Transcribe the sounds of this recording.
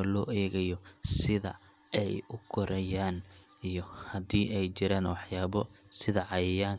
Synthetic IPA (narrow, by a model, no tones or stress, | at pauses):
lɔːɛːɣɐjɔsɪðɐ̰ | ɛjʊkʰɔɾɐjaːnijɔhɐd̪iːʔɛjt͡ʃɪɾaːnwɑħjaːβɔsɪðɐʕɑjɐjaːŋ